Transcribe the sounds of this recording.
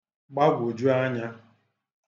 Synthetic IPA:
ɡ͡ba˦ɡʷo˨d͡ʒu˦a˦ɲa˦

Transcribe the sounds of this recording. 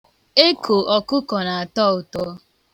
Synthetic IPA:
e˦kʰo˨ɔ˨kʊ˦kɔ˨na˨a˨tɔ˦˨ʊ˨tɔ˦

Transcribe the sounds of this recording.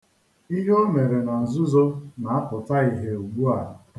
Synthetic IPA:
i˦ɦo˦me˨ɾe˨na˨n̩˨zʊ˦zo˦na˨a˦pʊ˨ta˦i˨ɦe˨u˨ɡ͡bu˦a˨ɾʊ˨

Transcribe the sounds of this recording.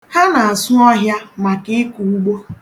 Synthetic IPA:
ha˦na˨a˨sʊ˦ɔ˦ɦja˦ma˨kɪ˦ku˨u˦ɡ͡bo˦

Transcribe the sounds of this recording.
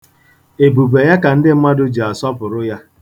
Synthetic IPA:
e˨bu˨be˨ja˦ka˨n̩˦dɪ˦m̩˦ma˦dʊ˦d͡ʒi˨a˨sɔ˦pʊ˨ɾʊ˦ja˦

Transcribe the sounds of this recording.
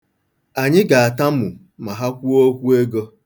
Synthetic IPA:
a˨ɲɪ˦ɡa˨a˨ta˦m̩˦mʊ˨ | ma˨ɦa˦kʷu˦o˦kʷu˦e˦ɡo˦

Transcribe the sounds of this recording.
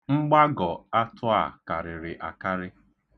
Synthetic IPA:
ŋ͡m̩˦ɡ͡ba˦ɡɔ˨a˦tʰʊ˦a̰˦˨ka˨ɾɪ˨ɾɪ˨ʔa˨ka˦ɾɪ˦

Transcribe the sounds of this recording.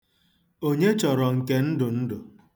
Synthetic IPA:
o˦ɲe˦t͡ʃɔ˨ɾɔ˨ŋ̩˨ke˦n̩˦dʊ˨n̩˦dʊ˨

